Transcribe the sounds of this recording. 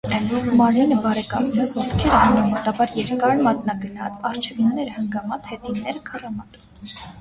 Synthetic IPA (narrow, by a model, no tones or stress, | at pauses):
mɑɾinəbɑɾɛkɑ̰zmɛvɔt̪kʰɛɾəɑnəmɔt̪ɑbɑɾjɛɾkɑɾmɑt̪nɑɡənɑ̰t͡sʰɑɾt͡ʃʰɛvinːɛɾəhəŋɡɑmɑt̪hɛt̪inːɛɾəkʰərɑmɑt̪u̥m